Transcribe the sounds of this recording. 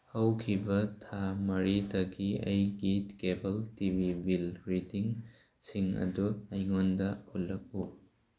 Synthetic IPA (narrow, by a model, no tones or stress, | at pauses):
hɐwkʰibɐtʰamɐɾitɐɡiɐjɡitkebɐltibʱibilɾidiŋ | siŋɐ̰duɐjŋondɐulːɐk̚u